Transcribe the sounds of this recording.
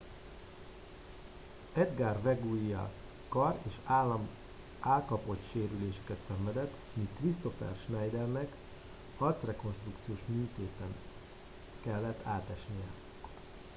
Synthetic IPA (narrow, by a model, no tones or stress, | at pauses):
ɛd̪ɡaːrvɛɡuijɒ̰ | kɒreːʃaːlːɒm | aːlkɒpo̞t̪ʃeːɾyleːʃɛ̥kɛt̪sɛɱvɛd̪ɛt̪ː | mikrist̪o̞fɛ̰rʃnɛjd̪ɛrnɛk | ɒrt̪srɛko̞nʃt̪rukt̪sijoːʃmyːt̪eːt̪ɛn | kɛlːɛt̪ːaːt̪ɛʃnijɛ